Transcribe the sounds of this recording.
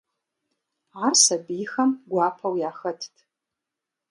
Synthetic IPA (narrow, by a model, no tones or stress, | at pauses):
arsɐbixɐmɡʷapʰɐwjaːxətʰtʰ